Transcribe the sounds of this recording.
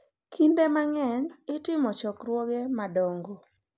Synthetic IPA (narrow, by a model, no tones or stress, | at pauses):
kʰindemaŋɛnɪtɪmɔt͡ʃɔkɾwoɡemadɔŋɡo